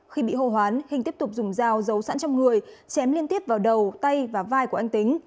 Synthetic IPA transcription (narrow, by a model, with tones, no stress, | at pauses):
xi˧ɓḭ˧˨ho˧˩ɦwaː˨˦nhi˨˩ŋ̟t̪i˦˥əp̚t̪ʊ˨˩k͡p̚zʊ˨˩ŋ͡mzaː˧˩wzə˨˦wsa̰ː˧˥nt͡ɕɔ˧wŋ͡mŋɨ˨˩əjt͡ɕɛ˨˦mli˧ənt̪i˦˥əp̚vaː˨˩wɗə˨˩wt̪a˧jvaː˨˩vaː˧jku˧˩ʔjŋ̟t̪ï˨˦ŋ̟